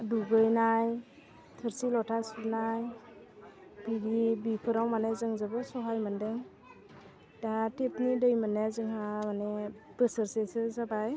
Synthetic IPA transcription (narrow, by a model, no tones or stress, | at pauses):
duɡɯjnaj | tʰɯɾsilɔtʰasuɾnaj | biɾibipʰɯɾawmanezɯŋzabɯsɔɦajmandeŋ | d̥atʰepnidɯjmanazɯŋhamaneb̥ɯsɯɾsesɯzabaj